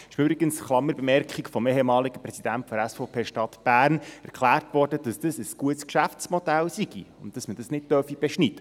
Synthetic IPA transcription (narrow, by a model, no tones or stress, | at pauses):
ɪ̥ʃmʏbɾiɡənsχlɑmːəɾbemɛrkχikfɔmeɦemɑːliɡəpɾɛsid̥æntfɔd̪əɾæsfoʊpʰeːʃtɑtb̥æːrnæɾkχlæːrtvʋɔrdəd̥ɑsd̥əsəsɡ̥uətskʃæftt͡smɔdɛlsiɡḭʊntd̥ɑsməd̥ɑsnɪt̚dœrfib̥ɛʃnid̥ə